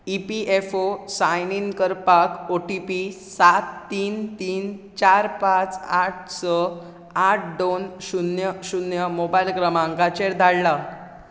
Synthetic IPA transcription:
ipiefosajninkəɾpakoʈipisat̪ːiːnt̪iːnt͡ɕaɾpat͡saʈ̚ʰsə | aʈ̚ʰɖonɕunjəɕunjəmobajlkɾəmãŋkat͡ɕeɾd̪ʱaɭːa

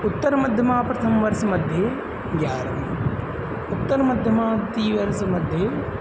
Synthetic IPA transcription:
ʊt̪ːɐɾɐmɐd̪ʱjɐmaːpɾɐt̪ʰɐmʋɐɾʃɐmɐd̪ʱjɐ | ɡʲjaːɾɐm | ʊt̪ːɐɾɐmɐd̪ʱjɐmaːt̪iːʋɐɾsɐmɐd̪ʱjɐ

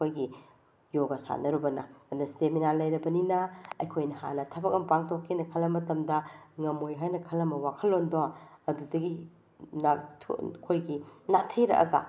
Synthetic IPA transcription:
kojɡi | joɡɐsa̰nɐɾubɐnɐɐnɐsteminalɐjɾɐbɐninɐɐjkʰojnɐha̰nɐtʰɐbɐk̚ɐmpaŋtʰokʰːinɐkʰɐlɐmɐtɐmdɐŋɐmojɦajnɐkʰɐlːɐmɐwakʰɐlːondoaɐdudɐɡi | natʰkʰojɡinatʰɐjɾɐ̰ʔɐ̰ɡɐ̰

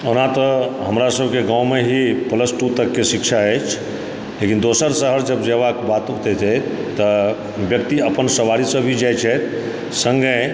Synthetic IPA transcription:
onãt̪əɦəmɾasəbʱkeɡãwmeɦipələsʈut̪əkːesikʃʰaɛt͡ʃʰ | lekind̪osəɾsəɦəɾd͡ʒəbd͡ʒeʋakbat̪ot̪ɛt̪ʰɛt̪ːə | bjək̚t̪iəpənsəʋaɾisəbʱid͡ʒajt͡ʃʰɛt̪ | sə̃ŋɡe

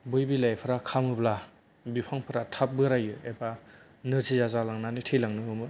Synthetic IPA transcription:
bɯjbilajpʰɯɾakʰamɯbla | bipʰaŋpʰɯɾatʰap̚bɯɾajɯeba | nɯtʰizazalaŋnanitʰejlaŋnɯɯmɯ

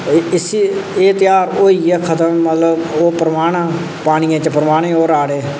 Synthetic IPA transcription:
ɪsiːeːt̪ɪjaːɾoːiːɛːkʰət̪əmːət̪ləboːpɾəmaːɳ̃ː | paːɽ̃ɪjãːt͡ʃəpəɾəmaːɽ̃ẽːoːɾaːɽeː

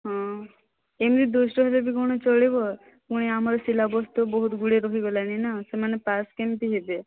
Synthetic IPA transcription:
ɦɔ̃ | emɾid̪usɾɔɦelebʱikɔɽ̃ɔt͡ʃɔɭibɔ | kuɽ̃iamaɾɔsilabɔst̪ubɔɦut̪ɡuɽeɾɔɦiɡɔlaninasemanepaskemt̪iɦebe

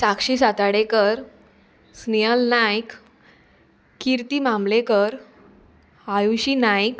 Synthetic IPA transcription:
sakɕisat̪aɽekəɾ | snijəlnajk | kiɾt̪imamlekəɾ | ajuɕinajk

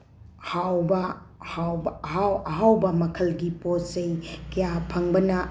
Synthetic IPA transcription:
hawbɐ | hawbɦawɐɦawbɐmɐkʰɐlɡiposejkɐjapʰɐŋbɐnɐ

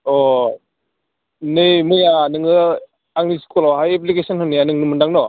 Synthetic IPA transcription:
ɔ | nɯjmɯjanɯŋɯ | aŋnisi̥kɔlɔwɦajep̬likesɔnhɯnɯjanɯŋnɯmɯndaŋnɔ

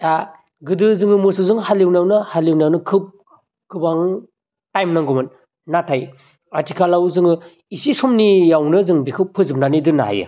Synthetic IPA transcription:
ta | ɡɯdɯzɯŋɯmɯsɯzɯŋhaliwnjawnɯhaliwnijawnɯkʰɯp̚ | kʰɯbaŋ | tajmnaŋɡɔmɯn | natʰaj | atikʰalawzɯŋɯ | isisɔmnijawnɯzɯŋbikʰɯpʰːɯzɯpnanidɯna̰ɦa̰jɯ̰

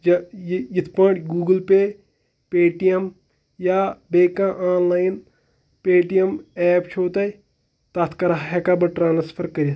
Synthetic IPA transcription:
d͡ʒɐjjit̪ʰpɐːʈɡuːɡəlpe | peːʈijɐm | jabeːkãʔaːnlaːjin | peːʈijɐmɛːpt͡ʃʰoːt̪ɐ | t̪at̪ʰkɐɾaɦɦekabɐʈɾaːnspʰɐɾkɐɾ

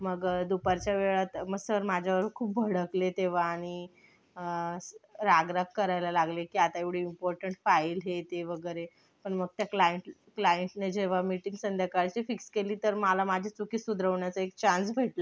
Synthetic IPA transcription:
məɡd̪upaɾt͡ɕjaʋeɭat̪məɡsəɾmad͡ʑʱjaʋəɾkʰuːp̚bʱəɽəklet̪eʋ̤aːɽ̃i | ə | ɾaɡɾakːəɾajlalaɡlekiːat̪aeʋɽ̤eimpɔɾʈəɳʈfailɦet̪eʋəɡəɾe | pəɳməɡ̚t̪jaklajəɳʈ | klajəɳʈned͡ʑeʋ̤amiʈĩŋɡsənd̪jakaɾt͡ɕifikskeliːt̪əɾməlamad͡ʑʱet͡sukiːsud̪ɾəʋɳjat͡səek̚t͡ɕãnsbʱeʈlə

